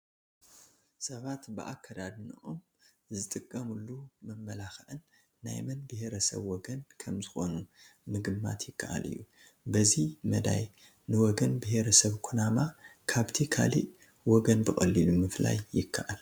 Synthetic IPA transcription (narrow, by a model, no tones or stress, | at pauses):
sɐβat̪bɨʔakːɐd̪ad̪nɨʔom | zɨt̪ʼɨkʼːɐmulːumɐmːɐlaxʔɨnː | a̰jmɐnbɨheɾɐsɐ̰βwɔɡɐnkʰɐmzɨxo̞numɨɡɨmːa̰t̪jɪkʰːaʔa̰lɨ̰jːu | bɐzimɐd̪a̰j | nɨwɔɡɐnbɨheɾɐsɐβkʰunamakʰaβt̪ʰikʰa̰lḭʔ | wɔɡɐnbɨxʼɐlːilumɨfla̰jːɪkʰːaʔal